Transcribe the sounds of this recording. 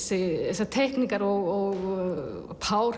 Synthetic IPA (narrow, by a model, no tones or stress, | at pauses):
sɪɛsat̪ʰɛhkniŋkaɾɔɣɔɣ | pʰaːwɾ